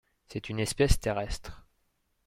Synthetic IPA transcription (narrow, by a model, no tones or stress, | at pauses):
sɛt̪ynɛspɛst̪eʁɛst̪χ